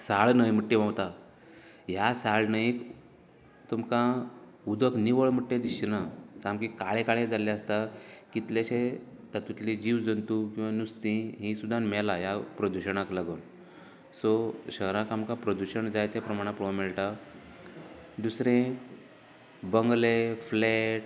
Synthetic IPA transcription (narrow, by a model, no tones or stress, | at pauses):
saɭnəjm̤əʈːeʋãwt̪a | jasaɭnajk | t̪umkã | ud̪əkniʋəɭm̤əʈːẽd̪iɕnasamkikaɭekaɭẽd͡zalaəst̪akit̪laɕe | t̪at̪ut̪lid͡ʑiʋd͡zənt̪ukĩwʋanust̪ĩɦĩsud̪ʱːanmɛlajapɾəd̪uɕəɳ̃aklaɡun | sɔɕəɦɾãkamkapɾəd̪uɕəɳd͡zajt̪epɾəmaɽ̃apuɭ̃mɛɭʈa | d̪usɾẽ | bəŋɡlefleʈ